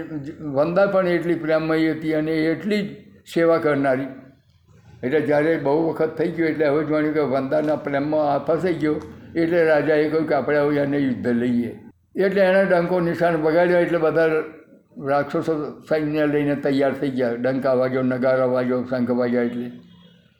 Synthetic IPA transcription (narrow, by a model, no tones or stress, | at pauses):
ʋənd̪apəɳeʈlipɾemːəiɦət̪iəneːʈlid͡ʒseʋakəɾnaɾi | eʈled͡ʒjaɾebəɦuʋəkʰət̪ʰːəiɡjoeʈleɦəʋed͡ʒmaɳjũkeʋənd̪anapɾemːaapʰasʰəiɡjoeʈleɾad͡ʒaekəɦjũkeapɽeəʋanejʊd̪ʱːələie | eʈleːnaɖəŋkonɪʃanbəɡailjoeʈlebəd̪ʱa | ɾakʂossaneləinet̪əjːaɾt̪ʰəiɡjaɖəŋkaʋaɡonəɡaɾaʋad͡ʒosə̃ŋkʰəʋaɡjaeʈle